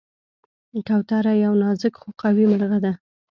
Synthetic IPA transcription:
kawt̪aɾajawnɑzɪkxoqawiməɾɣad̪a

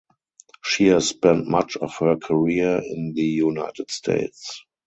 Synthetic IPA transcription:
ʃihæsspɛ̃ntmat͡ʃɔfhəkʰəɹiɪ̃nðəjunaɪtɪdstʰḛɪts

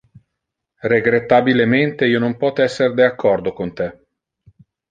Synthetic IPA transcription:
reɡɾet̪ːabilement̪eiːonompɔt̪ɛsːerd̪eakʰːɔrd̪okont̪e

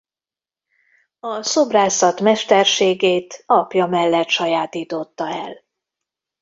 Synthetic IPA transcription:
ɒsobraːsɒt̪mɛʃt̪ɛrʃeːɡeːt̪ɒpjɒmɛlːɛt̪ʃɒjaːt̪iːt̪o̞t̪ːɒɛl

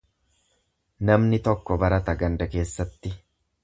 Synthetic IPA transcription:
nɐmnɪt̪ɔkːɔbɐɾɐt̪ɐɡɐnd̪ɐke̞ːsːɐt̪ːɪ

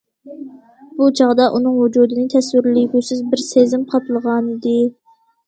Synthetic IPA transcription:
but͡ʃʰɑʁd̪ɑʔunɨŋwud͡ʒuːd̪ɨnɨt̪ʰɛswɪɾliɡʲusɪzbɪɾsezɪmqʰɑpʰlˠəʁɑnɨd̪ɨ

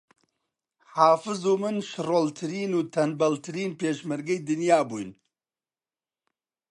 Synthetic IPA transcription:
haːfɨzuːmɨnʃɨroːlt̪ʰɨɾiːnuːt̪ʰɐnbɐlt̪ʰɨɾiːnpeːʃmɨɾɡejd̪ɨnjaːbṵːjn

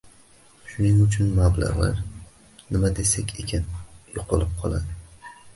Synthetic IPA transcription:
ʃʊnɪŋʊt͡ʃʰʊnmabla̰ʁla̰ɾ | nɪmad̪e̞sakʲʰekʲʰanjoqʰɨlˠɪp̚qʰɒlˠa̰d̪ɪ

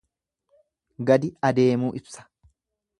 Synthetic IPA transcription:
ɡɐd̪ɪɐd̪e̞ːmuːʔɪbsɐ̥

